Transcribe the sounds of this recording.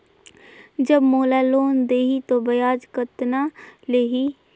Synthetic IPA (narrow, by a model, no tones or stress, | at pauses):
d͡ʒəbmoːlaloːnd̪eːɦit̪obəjaːd͡ʒkət̪naleːɦi